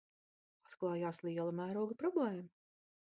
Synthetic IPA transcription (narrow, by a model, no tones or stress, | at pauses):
at̪klˠɑːjaːslʲˠiɛlˠɐmæːɾuɔɡɐpɾɔblˠɛːm